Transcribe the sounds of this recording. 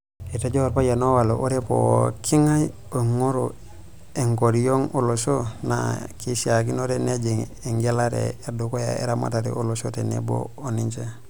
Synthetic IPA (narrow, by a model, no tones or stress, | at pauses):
etaɟoɾpajanowaloʔoɾepo̰kʰiŋaj | oŋoɾo | eŋkoɾijoŋolosona̰kisiakinoɾened͡ʒiŋeŋɡelaɾḛːdukoja̰ḛɾama̰taɾḭʔolosotenḛbo̰oniɲt͡ʃe